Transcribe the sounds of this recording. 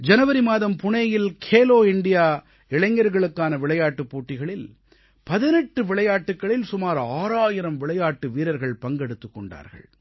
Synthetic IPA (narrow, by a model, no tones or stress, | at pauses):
d͡ʒɐnɐʋɐɾimaːðɐmpʊɳɐjɪlkʰeːloːɪɳɖɪjaː | ɪɭɐŋːɐɾɣɐɭɯkːaːnɐʋɪɭɐjaːʈːɯpːuːʈːɪɣɐɭɪl | pɐðɪnɛʈːɯʋɪɭɐjaːʈːɯkːɐɭɪlsʊmaːɾaːɾaːjɪɾɐmʋɪɭɐjaːʈːɯʋiːɾɐɾɣɐɭpɐŋɡɛɽɯt̪ːɯkːɔɳɖa̰ːɾɣɐ̰ɭ